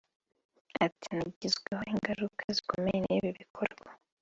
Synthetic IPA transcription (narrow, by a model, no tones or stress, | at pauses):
atinaɟizɡweho̞iŋɡaɾukʰazikomejeneβiβikʰoɾɡwa